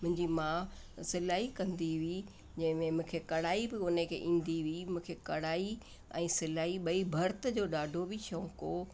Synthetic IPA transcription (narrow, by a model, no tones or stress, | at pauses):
mʊ̃ɦɪ̃ɲd͡ʑimã | sɪlaːikɐ̃nd̪iʋi | d͡ʑɐ̃ɦɪ̃mẽmʊ̃ːkʰekɐɽaːibɪʊnəkʰḛːʔĩːnd̪iʋimũːkʰekɐɽaːi | ɛ̃ːsɪlaːiɓɐibʱɐɾt̪əd͡ʑoːɗaːɖʱobɪt͡ɕʰõːkoː